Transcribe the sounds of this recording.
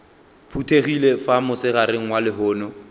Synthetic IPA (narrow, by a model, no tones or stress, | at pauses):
pʰutʰeɣilefamʊsɪɣaɾɪŋ̩walɪɦʊːnɔ